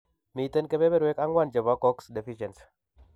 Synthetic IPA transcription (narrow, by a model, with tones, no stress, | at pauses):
mi˨te˦nke˦be˦be˦ɾwe˦ka˦ŋwa˦˨nd͡ʒə˨ba˨˦kɔ˦ksde˨fi˦ʃɛ˨ns